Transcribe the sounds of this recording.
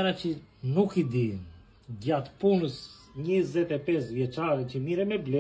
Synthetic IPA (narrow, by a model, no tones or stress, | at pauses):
ɾacənukid̪i | ɟat̪punəs | ɲizɛt̪ɛpɛsvjɛt͡ʃaɾicəmiɾɛmɛblɛ